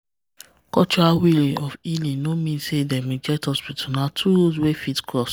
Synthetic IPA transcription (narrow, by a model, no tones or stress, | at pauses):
kɔt͡ʃawiliɔfilĩnːomĩnsedɛmĩd͡ʒɛtɔspitʰunatʰuozwefitkɾɔs